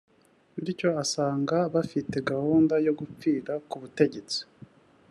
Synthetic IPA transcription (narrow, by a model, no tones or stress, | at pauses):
βiɾico̞asaːŋɡaβafite̞ɡahuːndajo̞ɡup͡fiːɾakuβute̞ɟe̞t͡si̥